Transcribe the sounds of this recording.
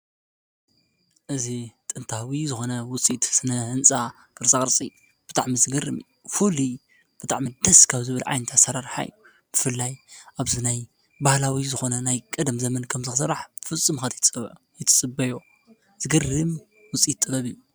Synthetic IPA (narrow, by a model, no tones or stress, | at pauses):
ʔɨzit̪ʼɨnt̪ʰawizɨxo̞nɐwʊt͡sʼit̪sɨnɐɨnt͡sʼa | kɨɾt͡sʼakʼɨɾt͡sʼi | b̥ɨt̪ʼaʕmizɨɡɨrɨ̰m | fuli | b̥ɨt̪ʰʼa̰ʕmid̪ɐskʰaβzɨβɨlʕa̰jnɐt̪ʰasɐɾaɾħa̰jːu | b̥ɨfɨlːajʔaβzinaj | bahlawizɨxo̞nɐnajkʼɐd̪mzɐmɐnkʰɐmzɨxsɨɾaħfɨt͡sʼːɨmxat̪ʰt͡sʼɨβ | jɛt̪ʰɨ̥t͡sʼɨbɐjo | z̥ɨɡɨrɨm | wʊt͡sʼit̪ʼːɨbɐβijːu